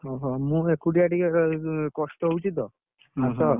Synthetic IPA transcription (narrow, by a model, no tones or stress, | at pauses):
ɔɦɔmũekuʈiaʈikekɔsʈɔut͡ʃit̪ɔ | asɔ